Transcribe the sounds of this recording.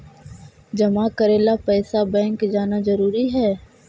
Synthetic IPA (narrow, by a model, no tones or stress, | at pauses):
d͡ʒɐmakɐɾeːlapɛːsabɛ̃ːŋkd͡ʒaːnazɐɾuːɾiɦɛː